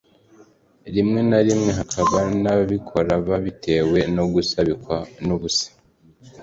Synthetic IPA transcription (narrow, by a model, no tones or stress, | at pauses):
ɾimŋe̞naɾimŋe̞ɦakʰaβanaβikʰo̞ɾaβaβitʰe̞ːwe̞noɡusaβikwanuβusḁ